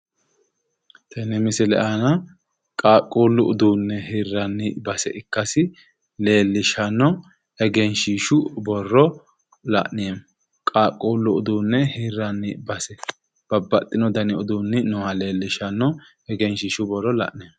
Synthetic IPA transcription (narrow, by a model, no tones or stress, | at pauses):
t̪ʰɛnɛmɪsɪlɛ̰ʔanɐ | kʼaːkʼːuːlːʊʊd̪uːnːɛɦiːrːɐnːɪbɐsɛʔɪkːɐsɪ | le̞ːlːɪʃɐnːɔ | ɛɡɛnʃiːʃʊbɔrːɔ | lɐ̰ʔnɪɛm | kʼaːkʼuːlːʊʊd̪uːnːɛhirːɐnːɪbɐsɛ | b̥ɐbːɐt̪ʼːɪnɔd̪ɐnɪʊd̪uːnːɪnɔhɐle̞ːlːɪʃɐnːɔ | ɛɡɛnʃiːʃʊbɔrːɔlɐ̰ʔnɪjːm